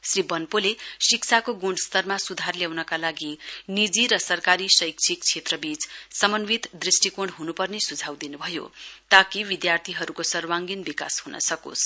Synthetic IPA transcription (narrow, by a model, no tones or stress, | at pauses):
sribʌnpolesiksʰakoɡoɳɖst̪ʌrmasud̪ʱarljawnʌkalaɡinid͡ziɾʌsʌrkaɾisʌjkt͡sʰik̚t͡sʰet̪rʌbit͡ssʌmʌnbit̪d̪risʈikõɳɖɦunupʌrnesud͡zʱawd̪inubʱʌjo̰t̪akiʋid̪jart̪ʰiɦʌɾukosʌrwaŋɡinbika̰shunʌ̰sʌko̰s